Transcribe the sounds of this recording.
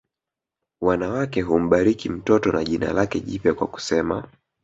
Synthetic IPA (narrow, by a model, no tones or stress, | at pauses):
wanawakɛɦum̩ɓaɾikim̩tɔtɔnaʄina̰lakɛʄipjakwa̰ku̥sɛma